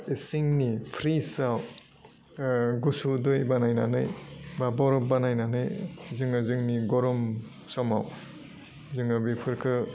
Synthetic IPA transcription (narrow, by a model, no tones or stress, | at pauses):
isiŋnipʰɾisaw | ɡusudɯjbanajna̰nɯjbabɔɾɔp̚banajnanɯjzɯŋɯzɯŋniɡɔɾɔm | sɔmaw | zɯŋɯbipʰɯɾkʰɯ